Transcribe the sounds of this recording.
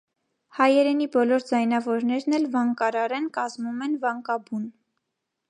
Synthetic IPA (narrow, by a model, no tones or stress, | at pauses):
hɑjɛɾɛnibɔlɔɾd͡zɑjnɑvɔɾnɛɾnɛlvɑŋkɑɾɑɾɛnkɑzmumɛnvɑŋkɑbun